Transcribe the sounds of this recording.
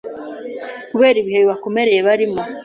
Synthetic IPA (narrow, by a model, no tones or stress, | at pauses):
kuβe̞ːɾiβiheβiβako̞me̞ɾe̞jeβaɾimo